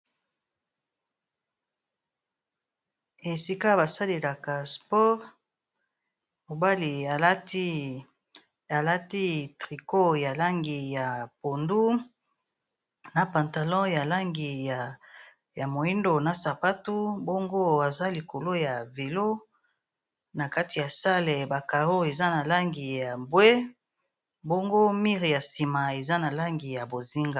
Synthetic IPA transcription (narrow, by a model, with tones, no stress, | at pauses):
e˨si˦ka˦ba˨sa˦le˨la˨ka˨spɔ˦ʁ | mo˨ba˦li˨a˨˦ | a˨la˦ti˦tʁi˨ko˦ja˨la˦ŋɡi˨ja˨po˨ndu˦ | na˨pã˨nta˨lɔ̃˦ja˨la˦ŋɡi˨ja˨ | ja˨mo˨i˦ndo˨na˨sa˨pa˦tu˦bo˦ŋɡo˦a˨za˦li˨ko˨lo˦ja˨ve˨lo˦ | na˨ka˦ti˨ja˨sa˦le˨ba˨ka˨ʁo˦e˨za˦na˨la˦ŋɡi˨ja˨bwe˦ | bo˦ŋɡo˦mi˦ʁja˨si˨ma˨e˨za˦na˨la˦ŋɡi˨ja˨bo˨zi˦ŋɡa˨